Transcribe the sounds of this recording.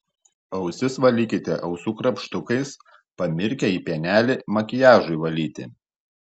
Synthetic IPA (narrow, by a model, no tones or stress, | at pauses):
ɐʊsʲɪsʋɐlʲiːkʲɪt̪ʲɛʔɒʊsuːkɾɐpʃt̪ʊkɐɪs | pɐmʲɪɾʲkʲɛiːpʲiɛnʲæːlʲɪmɐkʲɪjæːʒʊɪʋɐlʲiːt̪ʲɪ̰